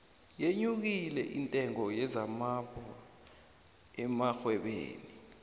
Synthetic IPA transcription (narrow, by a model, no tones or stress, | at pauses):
jeɲuk̬ilɛ̰ʔintʼɛŋɔjɛzamapʰɔ | ɛmaxwɛɓḛːni